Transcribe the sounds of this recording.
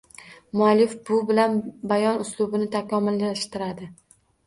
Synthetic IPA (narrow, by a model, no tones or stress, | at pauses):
mʊalːɪfbʊbɪlanbajɒnʊslˠʊbɪnɪt̪ʰakʰɒmʊlːaʃt̪ɪɾad̪ɪ